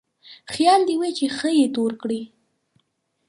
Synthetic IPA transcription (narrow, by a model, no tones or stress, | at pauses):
xjɑld̪iwet͡ʃexəjet̪oɾkɽi